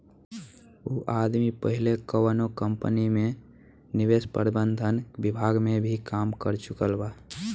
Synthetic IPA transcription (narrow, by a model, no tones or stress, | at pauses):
uʔad̪mipəɦilekəwənokəmpənime | niʋespə̰ɾbənd̪ʱənbibʱaɡmebʱikamkəɾt͡ʃukəlba